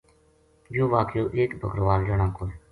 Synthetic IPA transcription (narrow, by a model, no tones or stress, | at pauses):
d͡ʒoːʋaːkjoːʔeːkbəkəɾʋaːld͡ʒəɳãːkoː